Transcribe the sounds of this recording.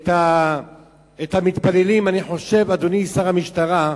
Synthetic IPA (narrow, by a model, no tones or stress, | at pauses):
t̪a | et̪hamit̪palelimaniħo̞ʃe̞vad̪onisaʁamiʃt̪aʁa